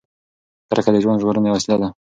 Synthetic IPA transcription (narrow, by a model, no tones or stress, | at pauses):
aɾakad̪əʒwand̪ʒɣoɾənewaslad̪a